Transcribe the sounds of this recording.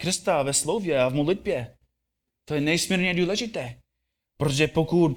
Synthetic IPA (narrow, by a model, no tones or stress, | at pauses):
kɾɪst̪avɛslowvjɛavmodlɪd̪̚bjɛ | t̪ojɛnɛjsmiːɾɲɛduːlɛʒɪt̪ɛː | pɾot̪oʒɛpokut̪